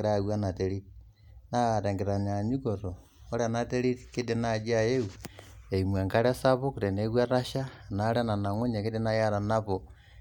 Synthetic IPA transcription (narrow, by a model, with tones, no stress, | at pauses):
ɾaɣwa˦na˨teɾit | na˦ɾe˨ŋɡeɾa˨ɲa˨ɲu˦koɾo | o˦ɾana˦te˦ɾi˦tke˦denad͡ʒa˦je˦ue˨imwa˨ŋɡa˦ɾasa˦βokuɾe˨neɣwa˦ɾa˦ʃa˦naɾa˦na˨na˨ŋu˦ɲa˨ke˦de˦na˦ja˦ɾa˨naβo